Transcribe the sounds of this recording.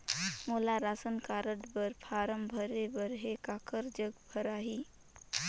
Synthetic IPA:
moːlaɾaːsənkaːɾəʈbəɾpʰaːɾəmbʱəɾebəɾɦekaːkəɾd͡ʒəɡbʱəɾaːɦiː

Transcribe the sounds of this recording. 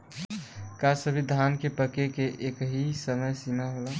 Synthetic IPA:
kasəbʱid̪ʱankepəkekeʔekɦisəməjsimaɦola

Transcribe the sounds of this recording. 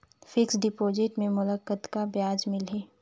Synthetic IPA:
fɪksɖɪpoːd͡ʒɪʈmẽmʊləkət̪kabjaːd͡ʒmɪlɦeː

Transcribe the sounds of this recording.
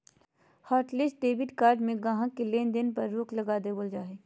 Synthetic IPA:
hɔːʈlesʈɖeːbɪʈkaːɾɖmẽɡaɦãkeleːnd̪ɪnpɐɾːuːklɐɡaːd̪eboːld͡ʒaːɦeː

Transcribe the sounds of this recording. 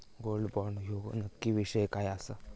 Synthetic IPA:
ɡolɖbɔɾɳjoɡnəkːiʋiɕəjkajasa

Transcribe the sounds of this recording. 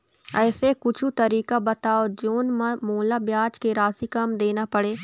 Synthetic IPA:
ɛːsekʊt͡ʃʰut̪ɐɾiːkabɐt̪aːod͡ʒoːnmãmoːlabjaːd͡ʒkeɾaːsikamd̪eːnapɐɽeː

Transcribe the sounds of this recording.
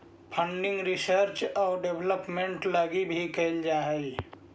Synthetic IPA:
pʰə̃ɳɖɪ̃ŋɡɾɪsəɾt͡ʃɔːɾɖebləpmẽɳʈlaːɡibʱikəld͡ʒaːɦɛ

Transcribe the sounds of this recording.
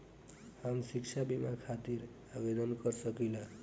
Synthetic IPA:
hamsikt͡ʃʰabimakʰat̪iɾ | abed̪ənkəɾsəkila

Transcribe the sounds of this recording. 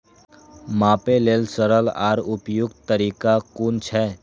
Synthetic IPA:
maːpeleːlsəɾəla̰ːɾʊpjʊɡt̪t̪əɾiːkakunt͡ʃʰɛ

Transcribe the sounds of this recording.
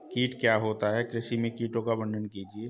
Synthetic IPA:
kiːʈkjaːɦoːt̪aɦɛkɾɪsimẽkiːʈõkabə̃nɖ̪ənkiːd͡ʒieː

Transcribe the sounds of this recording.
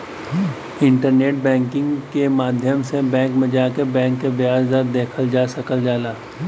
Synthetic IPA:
ɪ̃ɳʈəɾneːʈ̚bɛ̃ːŋkɪ̃ŋɡkemaːd̪ʱjəmsebɛ̃ːŋkmẽd͡ʒaːkebɛ̃ːŋkːebjaːzd̪ad̪eːkʰəld͡ʒaːsɐkəld͡ʒaːlaː

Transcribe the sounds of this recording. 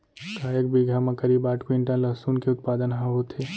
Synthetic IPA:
kaːjək̚biːɡʱamɐ̃kɐɾiːbaːʈkĩɳʈãlɐɦsuːnkeʊt̪̚paːd̪ənɦãɦot̪ʰeː

